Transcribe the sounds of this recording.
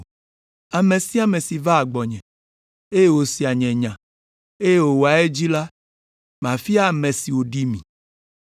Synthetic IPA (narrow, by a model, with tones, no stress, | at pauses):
a˨mẽ˨si˦a˨mẽ˨si˨va˦a˨ɡ͡bɔ˨ɲɛ̃˨ | e˦je˦wo˨si˨a˨ɲɛ̃˨ɲã˨ | e˦je˦wo˨wo˨a˨e˦d͡ʑi˦la˦ | mã˨fi˦a˦˨mɛ̃˨si˨wo˨ɖi˦mĩ˨